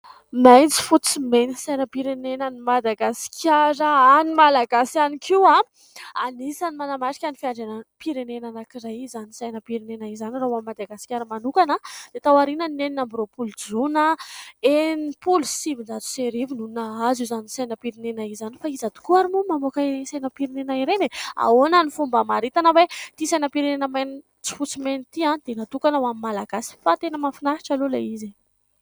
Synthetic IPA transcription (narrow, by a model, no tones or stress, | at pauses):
majnt͡si̥fut͡simenisajnəpiɾenenənimad̪aɡasi̥kʰʲjaɾəanimalaɡasianikʰiwa | anisanimanamaʈ͡ʂi̥kʲanifiaɳɖ͡ʐenapiɾenenanakiɾajizanisajnəpiɾenenaizaniraɦuamːad̪aɡasi̥kʲaɾəmanukanəd̪̥et̪awaɾinəneninambɾopuld͡zunəenipulusibind̪at̪u̥seɾivinunaazuzanisajnapiɾinenaizanifaizad̪u̥kuaɾimumamokaiɾensajnapiɾinenaiɾenea̰onanifumbəmaɾit̪anəwet̪isajnapiɾinenəmeni | t͡si̥fut͡simenit̪iãnd̪̥enat̪ukanawamimːalaɡasi̥fat̪enəmafinaɾi̥ʈ͡ʂalulaize